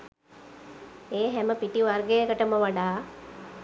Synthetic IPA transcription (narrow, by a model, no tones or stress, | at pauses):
eːɦɛməpiʈiʋarɡejəkəʈəməʋaɖaː